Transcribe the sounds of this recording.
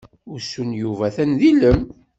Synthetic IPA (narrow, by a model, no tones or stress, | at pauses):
ʊɾsunjuvæθænðiləm